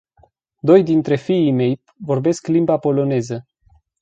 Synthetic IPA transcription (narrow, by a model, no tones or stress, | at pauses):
d̪o̞jd̪int̪ɾe̞fiime̞j | vo̞rbe̞sklimbapo̞lo̞ne̞zə